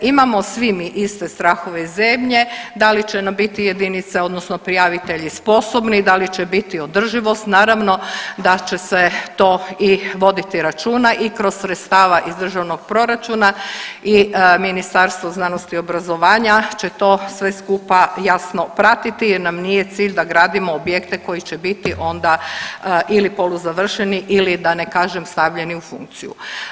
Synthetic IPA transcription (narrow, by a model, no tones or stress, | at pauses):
imamo̞sʋimiʔist̪est̪ɾaxoʋezemʎe̞d̪alit͡ɕenambit̪ijed̪init̪seo̞d̪nosnopɾijaʋit̪eʎispo̞so̞bnid̪alit͡ʃebit̪io̞d̪r̩ʒiʋo̞st̪naːɾaʋno̞d̪at͡ʃe̞set̪oːiʋo̞d̪it̪iɾat͡ʃuːnaʔikɾo̞ssɾet̪st̪aːʋaʔizd̪r̩ʒaʋnoɡ̥̚pɾo̞ɾat͡ʃuːnaiminist̪aɾst̪ʋo̞znano̞st̪io̞bɾazo̞ʋaːɲat͡ɕe̞t̪o̞ːsʋe̞skupajasno̞pɾat̪it̪ijɛɾnamnije̞t̪siːʎd̪aɡɾaːd̪imoːbje̞kt̪eko̞jit͡ɕebit̪iʔo̞nd̪a | ʔilipo̞luzaʋr̩ʃeniʔilid̪anekaːʒemst̪aʋʎe̞niufṵŋk̚t̪sijṵ